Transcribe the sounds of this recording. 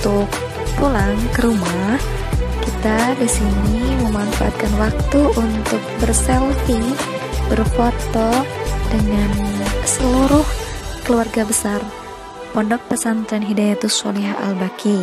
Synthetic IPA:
t̪uk̚ | pulaŋkəɾumah | kit̪adisiniməmanfa̰ʔa̰t̪̚kanwak̚t̪uʔunt̪ʊk̚bərsɛlt̪ɪŋ | bərfot̪ɔdəŋansəluɾʊhkəluarɡabəsar | pɔndɔk̚pəsant̪ɾanɦidajat̪usua̰liɦaʔa̰lbakʰi

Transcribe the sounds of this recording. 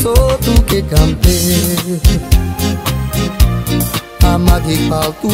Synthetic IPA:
sot̪ukeɡam̩pe | amadikat̪u

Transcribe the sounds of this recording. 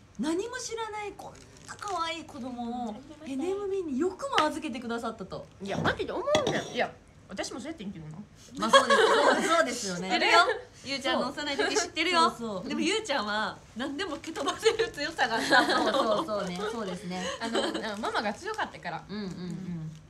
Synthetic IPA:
naɲ̟imo̞ɕiɾanaikʰõ̞nːakaβaiːkʰo̞d̪o̞mo̞ːe̞ne̞mɯ̟bʲiɲ̟ijo̞kɯ̟maazɨke̞t̪̬e̞kɯd̪as̬at̪ːat̪o̞ijanãk̪et̪eomoɯ̃nd̪aja | βat̪aɕimosojat̪ːeĩŋk̪enono | masoːd̪eoso̞ːd̪e̞sɨjo̞nnejo | jɯːt͡ɕãnːõsenaitokʲiɕɕi̥t̪ːe̞ɾɯ̟josoːd̪e̞mo̞jɯ̟ːt͡ɕãɰ̃βa | nãnd̪e̞moket̪obaseɾɯt͡sɨjosaɡaoso̞ːneso̞ːd̪e̞sɨne̞anamamaɡat͡sɨjo̞kat̪ːakaɾa̰ɯ̟̃ɴɯ̟̃ɴɯ̃ɴ

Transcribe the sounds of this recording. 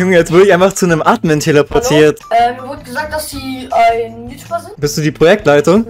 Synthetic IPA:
jʊŋjɛt͡sv̥ɪɐklɪçʔaɪnfaχt͡sunəmʔaːtməntʰeləpʰɔɐtʰiːɐtʔɛːmivʊɐdnɡəzaːk̚td̥asd̥iːaɪnniʃpazɪnb̥ɪstd̥uːdiːpʁ̥ojɛk̚tlaɪtʊŋ

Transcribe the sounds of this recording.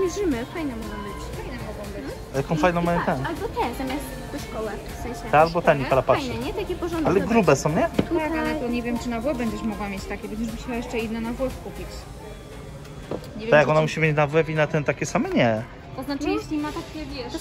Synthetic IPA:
mʲɛʐɘmɘfajnɛmɔɡɔ̃w̃bɘt͡ɕfajnɛmɔɡɔ̃w̃bɘt͡ɕ | jakɔ̃fajnɔ̃w̃majt̪ɛalbɔt̪ɛzamʲjast̪pɔʂkɔwɛ | fsɛ̃j̃ɕɛɛalbɔt̪ɛɲiaɾapaaj̪ɛɲɛt̪akʲɛpɔʐɔnd̪alɛɡɾubɛsɔ̃w̃ɲɛakalɛt̪ɔɲɛvʲjɛmt͡ʂɨnavwɔbɛɲd͡ʑɛʂmɔɡwamʲjet͡ɕt̪akʲɛbɛnd͡ʑɛʐbmɕawajɛʂt͡ʂɛid̪nɛnavwɔfkupʲit͡ɕ | ɲɛvʲt̪ajakɔnamuɕimʲjet͡ɕnavwɛvinat̪ɛnt̪akʲɛsamɛɲɛ | t̪ɔznat͡ʂjeɕlʲimat̪akʲɛvʲjɛʂ

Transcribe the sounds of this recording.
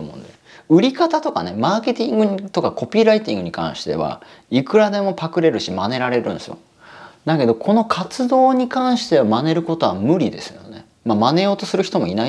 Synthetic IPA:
omõ̰nd̪es | ɯ̟ɾʲikat̪at̪o̞ka̰ne̞maːke̞t̪ʲĩŋɡɯ̟ɲt̪o̞kako̞pʲiːɾait̪ʲĩŋɡɯ̟ɲ̟ikã̰ɰ̃ɕi̥t̪e̞̰βa̰ | ikɯ̟ɾad̪e̞mo̞pakɯ̟ɾe̞ɾɯ̟ɕimane̞ɾaɾe̞ɾɯ̟̃nesɨ̰jo̰ | d̪ake̞d̪o̞kʰo̞no̞kʰat͡sɨd̪o̞ːɲ̟ikãɰ̃ɕi̥t̪e̞βamane̞ɾɯ̟ko̞t̪o̞βa̰mɯ̟ɾʲid̪e̞̰sɨjo̞̰ne̞ | mamane̞jo̞ːt̪o̞sɨɾɯ̟çi̥t̪o̞mo̞ina

